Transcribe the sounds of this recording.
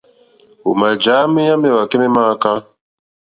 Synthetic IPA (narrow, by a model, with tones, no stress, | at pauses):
ṵ˨ma˨d͡ʒa˨˦mi˦ja˦mɛ˨wa˨kɛ˦mɛ˦ma˦ka˦